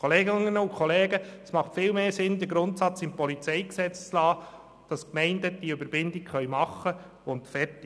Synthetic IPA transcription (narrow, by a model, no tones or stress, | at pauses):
oleːɡɪnənəʊkʰχɔleːɡəəsmɑχtfɪːlmeːsɪndəɡɾʊntsɑt͡sɪmpɔlit͡sɛɪksɛt͡st͡slɑː | d̥ɑskmɛɪndəd̥iəøbəɾb̥ɪndɪkχœʏmɑχə | ʊntfɛrtɪ